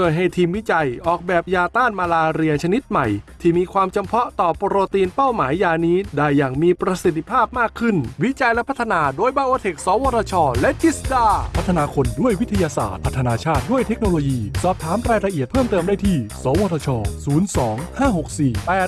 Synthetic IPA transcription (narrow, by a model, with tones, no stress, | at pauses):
t͡ɕo˧˥˩jɦa˥˩jt̪ʰiː˧mwi˦˥t͡ɕa˧jʔɔː˨˩k̚bɛː˨˩p̚jaː˧t̪aː˥˩nmaː˧laː˧ɾi˧əŋt͡ɕʰa˧ni˦˥t̪̚ma˨˩jt̪ʰiː˥˩miː˧kʰwaː˧mt͡ɕa˧mpʰɔ˦˥ʔt̪ɔː˨˩pɾoː˧t̪iː˧npa˥˩wmaː˩˦jːaː˧niː˦˥daː˧˩jːaː˨˩ŋmiː˧pɾa˧si˨˩t̪ʰːi˧pʰaː˥˩p̚maː˥˩kʰːɯ˥˩nwi˦˥t͡ɕa˧jlɛ˦˥pʰt̪ʰːa˧naː˧doː˧jbaː˧ʔoː˧t̪ʰe˨˩k̚sɔː˨˩˦wɔː˧t̪ʰɔ˧t͡ɕʰɔː˧lɛ˦˥ʔt͡ɕi˦˥sdaː˧˩pʰa˦˥t̪ʰːa˧naː˧kʰo˧ndu˥˩əjwi˦˥t̪ʰa˧jaː˧sa̰ː˨˩t̪̚pʰa˦˥t̪ʰːa˧naː˧t͡ɕʰaː˥˩t̪̚du˥˩əjt̪ʰe˦˥k̚noː˧loː˧jiː˧sɔː˨˩p̚t̪ʰaː˩˦mɾaː˧jɾa˧ʔi˨˩ət̪̚pʰɤː˥˩mt̪ɤː˧mdaː˥˩jt̪ʰiː˥˩sɔː˩˦wɔː˧t̪ʰɔː˧t͡ɕʰɔː˧suː˩˦nsɔː˩˦ŋhaː˥˩ho˨˩k̚siː˨˩pɛː˨˩